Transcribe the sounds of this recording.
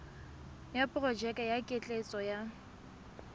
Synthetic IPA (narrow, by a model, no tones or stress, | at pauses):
japʼʊrɔd͡ʒɛkʼajakʼet͡ɬʼet͡sʼɔja